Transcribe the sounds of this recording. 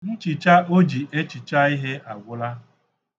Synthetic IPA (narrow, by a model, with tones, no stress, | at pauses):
n̩˦t͡ʃɪ˨t͡ʃa˦o˦d͡ʒi˨ʔe˦t͡ʃi˨t͡ʃa˦i˦ɦe˦a˨ɡʷʊ˦la˦